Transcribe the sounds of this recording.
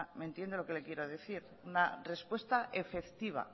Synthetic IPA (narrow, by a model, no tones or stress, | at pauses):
mẽnt̪jend̪elo̞ke̞le̞kje̞ɾo̞ðe̞θiɾ | unare̞spwe̞st̪aʔefe̞kt̪iβ̞a̰